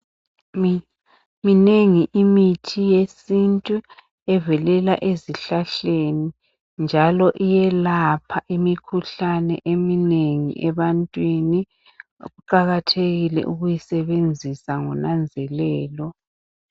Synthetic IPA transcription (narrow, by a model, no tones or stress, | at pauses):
mineŋiʔimitʰijesintʼu | ɛvɛlɛla̰ʔeziɬaɬeni | nd͡ʒʱalɔʔijɛlapʰaʔimikʰuɬanɛ̰ʔemineŋḭʔɛβantʼwini | ɣuǃaɣatʰeɣilɛ̰ʔuɣujisɛβend͡zʱisaŋɔnand͡zʱɛlɛːlɔ